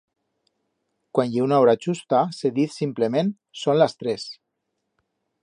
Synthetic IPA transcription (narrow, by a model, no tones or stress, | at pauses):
kwanjeunaoɾat͡ʃust̪aseðiθsimplemẽn | sonlast̪ɾes